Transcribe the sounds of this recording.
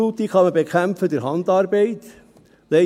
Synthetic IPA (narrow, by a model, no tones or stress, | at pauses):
uːt̪iχɑməbekʰχæmpfəd̪ɪɾɦɑndɑːɾbeɪt̪ | lɛ